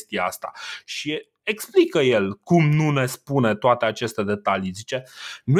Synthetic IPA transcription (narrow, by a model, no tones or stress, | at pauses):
ʃt̪ijea̰st̪a̰ʃi | eksplikəje̞lkumnune̞spune̞t̪oat̪e̞at͡ʃe̞st̪e̞d̪e̞t̪alizit͡ʃe̞nu